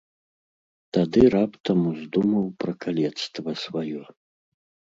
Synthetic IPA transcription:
t̪ad̪ɨɾapt̪ɐmuzd̪umɐwpɾɐkʰalʲɛt̪st̪vɐsvajɔ

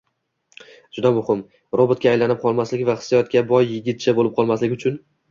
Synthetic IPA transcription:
d͡ʒʊd̪amʊhɪm | ɾobʊt̪̚kʲaːjlanɪp̚qʰɒlˠmaslɪkʲvaχɪ̥sːijɒt̪̚kʲabɒjːɪɡʲɪt̪̚t͡ʃʰabolɪp̚qʰɒlˠmaslɪʊt͡ʃʰʊn

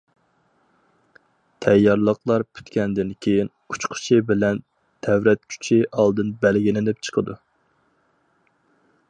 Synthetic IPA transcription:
t̪ʰɛjːɑɾlˠəqlˠɑɾpʰy̥t̪kʲɛnd̪ɪnkʲʰejin | ut͡ʃqʰʊ̥t͡ʃʰibɪlɛn | t̪ʰɛwɾɛt̪̚kʲʰy̥t͡ʃʰɪʔɑlˠd̪ɨnbælɡʲinɪnɪp̚t͡ʃʰə̥qʰəd̪u

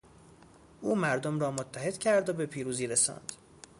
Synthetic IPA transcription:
ʔuːmæɾd̪omɾɒːmot̪ʰːæɦe̞d̪̥cʰæɾd̪obe̞pʰiːɾuːziːɾesɒ̰ːnd̪̥

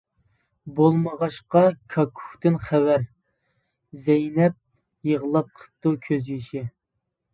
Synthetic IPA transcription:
bolˠməʁɑʃqɑkʰɑkʰu̥ht̪ɨnχæwæɾ | zɛjnɛp̚ | jəʁəlˠɑp̚qʰə̥p̚t̪ukʲʰøzjiʃɪ

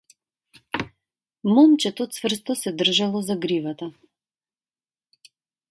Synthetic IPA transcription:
mɔmt͡ʃɛt̪ɔt̪svr̩st̪ɔsɛd̪r̩ʒalˠɔzaɡɾivat̪a

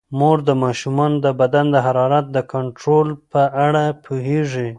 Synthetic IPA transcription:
moɾd̪əmɑʃumɑnd̪əbad̪and̪əɦaɾɑɾat̪̚d̪əkaɳʈɾolpəʔaɽapʰoɦeʐi

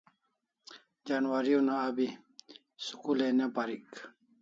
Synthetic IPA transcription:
d͡ʑanwaɾionaːbi | sukulenepaɾik

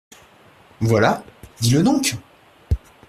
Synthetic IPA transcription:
vwalad̪iləd̪ɔ̃k

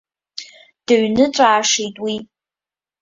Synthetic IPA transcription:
d̥ɨɥnɨt͡ʃʷʼaːʂejtʼwi

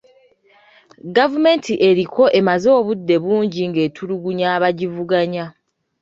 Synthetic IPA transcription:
ɡavume̞ntʰiʔe̞ɾikʰo̞ʔe̞mazo̞ːβudːe̞βuːɲɟiŋɡe̞ːtʰuɾuɡuɲaːβaɟivuɡaɲa

